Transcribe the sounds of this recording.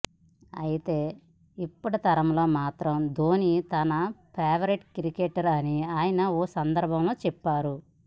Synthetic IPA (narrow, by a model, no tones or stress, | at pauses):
ɐ̰jit̪e̞ː | ipːuɽut̪ɐɾɐmlo̞ːmaːt̪ɾɐmd̪oːnit̪ɐnɐpʰɛːʋɐɾeʈkɾikeːʈɐɾɐniaːjɐnɐɔːsɐnd̪ɐɾbʱɐmlo̞ːt͡ʃɛpːaːɾu